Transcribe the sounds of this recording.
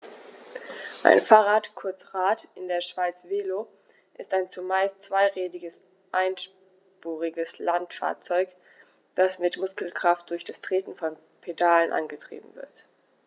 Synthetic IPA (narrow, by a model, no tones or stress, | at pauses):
ʔa̰ɪnfaːʁaːtkʰʊɐt͡sʁaːtɪndeːɐʃv̥aɪt͡sv̥eːlo | ʔɪstaɪnt͡sumaɪstt͡sv̥aɪʁeːdɪɡəs | ʔaɪnʃ | puːʁɪɡəslantfa̰ːɐt͡sɔʏk | d̥asmɪtmʊskl̩kʁ̥aft̚d̥ʊɐçd̥astʁ̥eːtn̩fɔn | pʰedaːlənʔa̰nɡətʁ̥ḭːbm̩vɪ̰ɐt